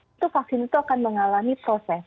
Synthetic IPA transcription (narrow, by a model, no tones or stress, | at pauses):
t̪ufak̚sɪnit̪uakanməŋalamipɾosɛs